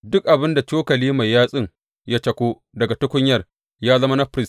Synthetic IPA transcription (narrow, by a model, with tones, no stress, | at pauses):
dʊ˦k̚ʔa˨bɪ˦nda˨t͡ʃoː˦kɐ˨liː˦ma˨jːaː˦sʼɪ˦ŋ | ja˦t͡ʃɐ˨kʷoː˦ | dɐ˨ɡa˨tʊ˦kʷʊ˦ɲjɐ˨r | jaː˦zɐ˦mɐ˦nɐ˦ɸɾɪ˦s